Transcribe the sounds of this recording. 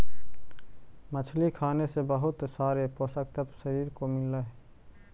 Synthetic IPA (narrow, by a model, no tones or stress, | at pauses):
mət͡ʃʰlikʰaːnesebəɦʊt̪saːɾeposək̚t̪əpsəɾiːɾkomɪləɦ